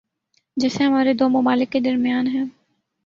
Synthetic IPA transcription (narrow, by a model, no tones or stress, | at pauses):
d͡ʒɛːseɦɐmaːɾed̪oːmɐmaːlɪkːed̪ɐɾmijaːnɦɛ̃ː